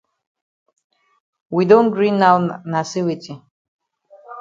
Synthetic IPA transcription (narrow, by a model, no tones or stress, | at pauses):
widõnɡɹĩnːawnasiwitʼi